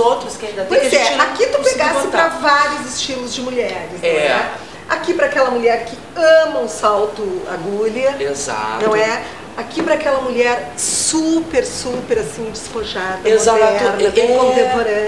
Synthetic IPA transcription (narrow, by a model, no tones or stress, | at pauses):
owt̪ɾʊskaĩd̪ɐt̪pojɛakit̪ũpeɡsɪpɾɐvaɾiʊzɪst͡ʃilʊzd͡ʒɪmuʎɛɾɪsɐɛ̃wɛ | akipɾɐakɛlɐmuʎɛɾkɪ | ɐ̃mɐ̃ʊsawt̪ʊa̰ɡulɐeza̰nɐ̃w̃ɛ | akipɾɐaːkɛlɐmuʎɛɾsupeɾsupeɾasĩd͡ʒɪsfoʒad̪ɐezaɛɾnɐt̪ẽkõt̪ẽmpoɾɐ̃